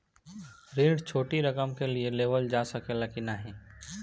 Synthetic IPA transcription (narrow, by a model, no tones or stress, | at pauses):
ɾẽːɖt͡ʃʰoːʈiɾɐkəmkelieleːʋəld͡ʒaːsəkelakinaɦɛ̃ː